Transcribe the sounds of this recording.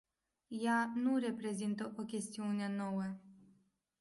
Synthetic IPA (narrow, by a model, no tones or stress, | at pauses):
janure̞pɾe̞zint̪əʔo̞kʲe̞st̪iuneno̞wə